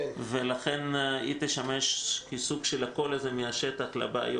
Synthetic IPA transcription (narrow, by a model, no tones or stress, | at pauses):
velaχenit̪eʃameʃkisuɡʃelako̞lazemiaʃet̪aχla̰baa̰jo